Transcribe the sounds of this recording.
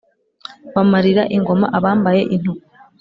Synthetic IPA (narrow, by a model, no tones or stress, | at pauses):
βamaɾiɾaʔiŋɡo̞ma̰ʔaβaːmbaje̞ʔin̥u